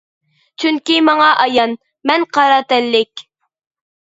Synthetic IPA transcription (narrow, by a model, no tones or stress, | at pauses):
t͡ʃʰyŋkʲimɑŋɑʔɑjɑn | mɛnqʰɑɾɑt̪ɛlːɪkʲ